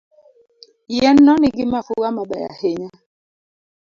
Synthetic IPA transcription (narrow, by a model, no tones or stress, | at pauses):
jɛn̩ːɔniɡimafuɣamaɓaja̰heɲa